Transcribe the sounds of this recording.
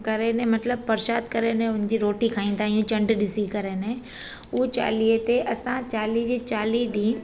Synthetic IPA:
kɐɾenẽmɐt̪ləb̚pɐɾʃaːd̪kɐɾenẽʊnd͡ʑiːɾoːʈikʰaːĩːnd̪aːijũt͡ɕɐ̃ɳɖɗɪsikɐɾenẽ | ut͡ɕa̰ːliet̪eʔɐsãt͡ɕaːlid͡ʑiːt͡ɕaːliɗĩː

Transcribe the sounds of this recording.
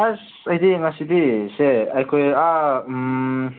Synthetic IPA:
as | ajd̪imasid̪iseajkʰoja

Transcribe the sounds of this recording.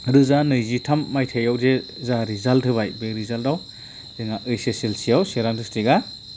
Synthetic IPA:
ɾɯzanɯjzitʰamːajtʰejawze | zaɾizaltʰɯβajbeɾizaldaw | zeŋaʔɯjseselsijawseɾandɯstiɡa

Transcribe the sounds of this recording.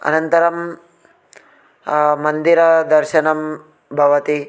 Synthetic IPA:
ɐ̰nɐnt̪ɐɾɐm | mɐnd̪iɾɐd̪ɐɾʃɐnɐm | bʱɐʋɐt̪i

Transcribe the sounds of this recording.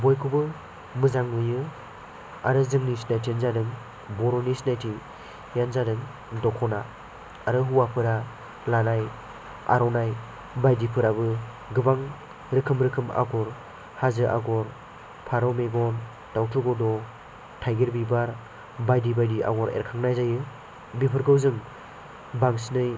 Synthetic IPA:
bɔjkʰubɯ | mɯzaŋnɯjɯ | aɾɯzɯŋnisnajtʰenzadɯŋ | bɔɾɔnisnajtʰi | janzadɯŋ | dɔkʰɔna | aɾɯɦuwapʰɯɾa | lanaj | a̰ɾɔnaj | bajdipʰɯɾabɯ | ɡɯbaŋ | ɾɯkʰɯmɾɯkʰɯma̰ɡɔɾ | hazɯʔa̰ɡɔɾ | pʰaɾɔmeɡɔn | tawtʰɯɡɔdɔ | tʰajɡeɾbibaɾ | bajdibajdiʔa̰ɡɔɾḛɾkʰaŋnajzajɯ | bipʰɯɾɡʰɯwzɯŋ | baŋsnɯj

